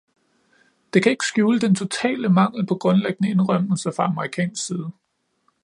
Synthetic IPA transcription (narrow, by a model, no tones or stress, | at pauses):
d̥e̝kʰæe̝ɡ̥ə̥sɡ̥juːləd̥ent͡sʰo̝t͡sʰɛ̰ːləmɑ̈ŋ̰l̩pʰɒ̽ɡ̥ʁɔ̽nleɡ̥ənəe̝nʁɶm̰l̩səfʁɑ̈ɑ̈məʁikʰɛ̰ːnsɡ̥siːð̞ˠə